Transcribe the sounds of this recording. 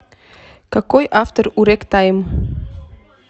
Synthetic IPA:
kakojʔaft̪əɾuɾekt̪ajm

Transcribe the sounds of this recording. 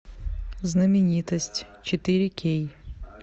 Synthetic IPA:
znəmʲɪnʲit̪əsʲtʲ | t͡ɕɪt̪ɨɾʲɪkʲʰej

